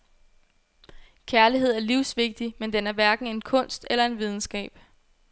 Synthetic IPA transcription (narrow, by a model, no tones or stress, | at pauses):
kʰæɐliɦe̝ð̞̰ˠæɐliʊ̰sʋe̝ɡ̥̚d̥imend̥enæɐʋæɐɡ̥n̩e̝nkʰɔ̽n̰sd̥elɐe̝nʋið̞ˠn̩sɡ̥ɛ̰ːb̥